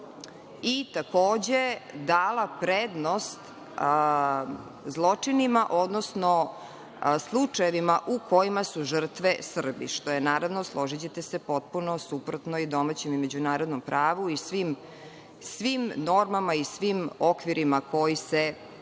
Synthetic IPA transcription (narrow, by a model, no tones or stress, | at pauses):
it̪akoːd͡ʑed̪aːlapɾed̪nost̪ | zlˠo̞t͡ʂinimaʔo̞d̪nosno | slˠut͡ʂajeʋimaʔuko̞jimasuʐr̩t̪ʋesr̩bḭʃt̪ojenaːɾaʋnoslˠo̞ʒit͡ɕet̪esepo̞t̪̚puno̞supɾot̪noid̪o̞mat͡ɕemime̞d͡ʑunaːɾod̪nompɾʔaːʋuisʋim | sʋimno̞ɾmamaisʋimokʋiɾimakʰo̞jise